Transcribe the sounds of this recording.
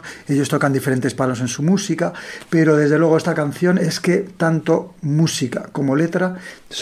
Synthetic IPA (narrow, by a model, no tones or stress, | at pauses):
e̞ʎo̞st̪o̞kand̪ifeɾe̞nt̪e̞spano̞s̬ẽ̞nsumusikape̞ɾo̞ð̞e̞zðelwe̞ɣe̞st̪akan̟θjo̞ne̞ske̞t̪ant̪o̞musikako̞mo̞le̞t̪ɾas